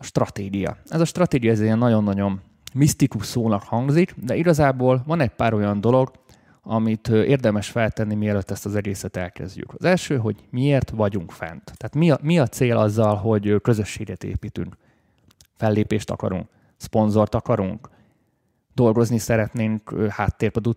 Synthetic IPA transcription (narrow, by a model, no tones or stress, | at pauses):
ɒʃt̪rɒt̪eːɡijɒ̰ɛzɒʃt̪rɒt̪eːɡijɒɛzeɛnːɒɟo̞nːɒɟo̞mː | ist̪ikuʃsoːnɒkhɒŋɡzikd̪ɛiɡɒzaːboːlvɒnɛɟ̚paːɾo̞jɒnd̪o̞lo̞ɡ | ɒmit̪eːrd̪ɛmɛʃfɛlt̪ɛnːimiɛløt̪ːɛst̪ɒzɛɡeːsɛt̪ɛlkɛ̰zɟy̰kɒzɛlʃøːɦo̞ɟmieːrt̪ʋɒɟuŋkfɛ̰nt̪t̪ːɛːt̪miɒmiɒt̪seːlɒzːɒlɦo̞ɟøkø̞zøʃːeːɡɛt̪ḛːpiːt̪y̰ŋk | fɛlːeːpeːʃt̪ɒ̰kɒ̰ɾṵŋk | spo̞nzo̞rt̪ɒkɒɾuŋk | d̪̥o̞lɡo̞znisɛɾɛt̪neːŋkːhaːt̪ːeːrpød̪u